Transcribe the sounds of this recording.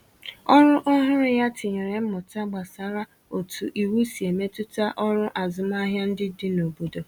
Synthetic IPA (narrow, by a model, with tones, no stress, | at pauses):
ɔ˦ɾʊ˦ʔɔ˦ɦʊ˦ɾɪ˦ja˦tɪ˨ɲe˨ɾe˨m̩˦mʊ˨ta˦ɡ͡ba˨sa˨ɾa˦ | o˨tṵ˨ʔi˨wu˦si˨e˨me˦tʊ˦ta˦ʔɔ˦ɾʊ˦ʔa˨zʊ˨ma˦ɦja˦n̩˦dɪ˦dɪ˦no˨bo˨do˨